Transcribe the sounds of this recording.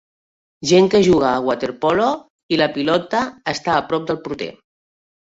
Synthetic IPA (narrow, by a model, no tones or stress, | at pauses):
ʒeŋkəʒuɣ̞aːɣwat̪eɾpɔlo | iləpilɔt̪aːst̪aːpɾɔp̚d̪əlˠpɾut̪ḛ